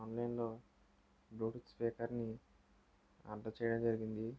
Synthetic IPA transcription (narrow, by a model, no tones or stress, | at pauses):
ɐwnlɐjnlo̞ː | bɾoːʈitspɛːkɐɾni | ɐ̰ɳʈːɐt͡ʃɛːjɐɽɐmd͡ʒɐɾiɡind̪i